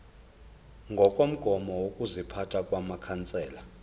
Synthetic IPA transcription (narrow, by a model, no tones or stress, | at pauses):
ŋɡʱɔkʼom̩ɡ̥ʱɔmɔwokʼuzipʰatʰʼakʼwamakʰant͡sʼɛːla